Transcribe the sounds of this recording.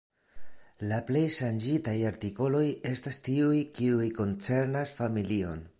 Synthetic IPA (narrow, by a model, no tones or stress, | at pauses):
laple̞jʃand͡ʒitajaɾtiko̞lo̞je̞stastiujkiujko̞nt͡se̞ɾnasfamilio̞̰n